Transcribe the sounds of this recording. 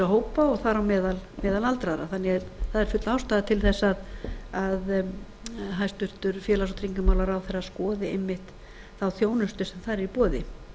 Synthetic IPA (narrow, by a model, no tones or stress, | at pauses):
aɦoːwpaɔɣθaɾawmɛːðalmɛːðalalt̪ɾaðɾa̰θanːɪθaðɛɾfʏt̪lawst̪aðat̪ʰɪlθɛsːaðað | ɦajst̪ʏɾ̥t̪ʏɾfjɛːlasɔt̪ɾiŋkʏmawlaɾawθɛrːaskɔːðɪejmːɪht̪ | θawθjoːwnʏst̪ʏsɛmθaɾɛɾipɔːðɪ